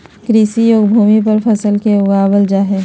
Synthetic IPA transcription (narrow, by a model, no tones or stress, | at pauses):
kɾiːsijoːɡbʱuːmipɐɾfʰɐsəlkeʊɡaːbəld͡ʒaːɦeː